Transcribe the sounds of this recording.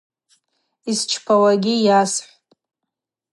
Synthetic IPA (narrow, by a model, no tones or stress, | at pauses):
ist͡ʃʰpʰawaɡʲijasħʷʼ